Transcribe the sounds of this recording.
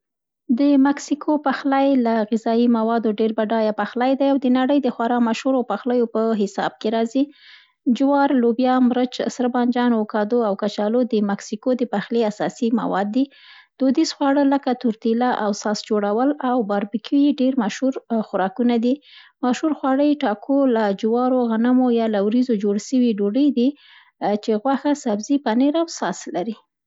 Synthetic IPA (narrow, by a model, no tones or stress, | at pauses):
d̪əmaksikʰopaxlajlaɣɪzɑimawɑd̪oɖeɾbaɖɑjapaxlajd̪ajawd̪ənaɽəjd̪əxwaɾɑmaʃhuɾapaxləjopəɦɪsɑ̰b̚keɾɑzi | d͡ʒwɑɾlobjɑmɾət͡ʃsɾbɑnd͡ʒɑnokɑd̪oawkat͡ʃɑlod̪əmaksikod̪əpaxleasɑ̰sima̰wɑ̰d̪ːi | d̪̥od̪isxwɑɽələkat̪ʊɾt̪ilaʔawsɑsd͡ʒoɽawəlawbɑɾbikʰijeɖeɾmaʃhuɾxʊɾɑkunad̪imaʃhuɾxwɑɽəjʈɑkʰolad͡ʒwɑɾoɣanamojɑlawɾizod͡ʒoɽʃəwiɖoɖəjd̪i | t͡ʃeɣwaxasabzipaneɾawsɑslaɾi